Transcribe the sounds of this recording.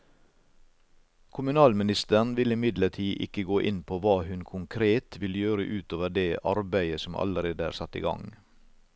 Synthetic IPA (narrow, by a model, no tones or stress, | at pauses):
kʰʊmʉnɑːlmɪnɪst̪əɳʋɪlɪmɪd̪ləʈʰiːʔɪkəɡoːʔɪnpʰoːʋɑːhʉnkʰʊŋkʰɾeːt̪ʋɪljøːɾə̰ʔʉːt̪oːʋəɖeːʔɑɾbæɪəsɔmɑ̰ləɾeːd̪əæ̰ːɾsɑt̪ːḭːɡɑ̰ŋ